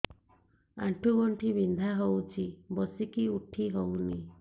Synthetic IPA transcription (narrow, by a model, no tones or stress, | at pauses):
a̰ɳʈʰuɡɔɳʈʰibind̪ʱaɦowt͡ʃʰibɔsikiuʈʰiɦowni